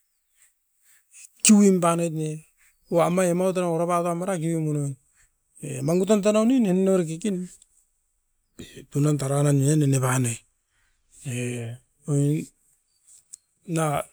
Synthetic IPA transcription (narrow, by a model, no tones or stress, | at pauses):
kiwimpanajtne | uamaemawt̬anaoɾaβatamaɾak̬iwimunon | emaŋɡut̬ant̬anawninenenoɾek̬ikin | etunantaɾananeenenepanoj | e | na